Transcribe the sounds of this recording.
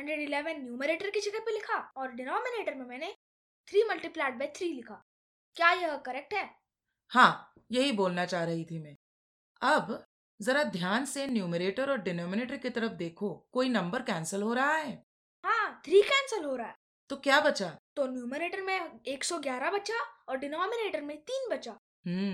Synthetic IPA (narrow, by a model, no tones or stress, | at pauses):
ɦɐ̃ɳɖɾeɖɪlɛːʋə̃nːjuːməɾeːʈəɾkit͡ʃɪkəɾpelɪkʰaɔːɾɖɪnɔːmɪneːʈəɾmẽmɛ̃ːne | t̪ʰɾiːmɐlʈiplaːʈ̚bɛːt̪ʰɾiːlɪkʰaː | kjaːjɐɦkɐɾɛk̚ʈɦɛː | hãː | jɐɦiboːlnat͡ʃaːɦɾɐɦit̪ʰimɛ̃ː | ɐb | zɐɾad̪ʱjaːnsenjuːməɾeːʈəɾɔːɾɖɪnɔːmɪneːʈəɾkit̪ɐɾəfd̪eːkʰokoːinɐ̃mbəɾkɛ̃ːnsəlɦoːɾɐɦaɦɛː | ɦãːt̪ʰɾiːkɛːnsəlɦoːɾɐaɦ | t̪okjaːbɐt͡ʃat̪onjuːməɾeːʈəɾmẽeːksɔɡjaːɾabɐtːʃaɔːɾɖɪnɔːmɪneːʈəɾmẽt̪iːnbɐt͡ʃa | ɦː